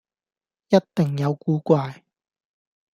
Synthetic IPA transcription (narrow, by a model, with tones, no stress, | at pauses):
jɐ˥t̚t̪ɪ˨˩ŋjɐ˨˧wkuː˨˥kʷaː˧j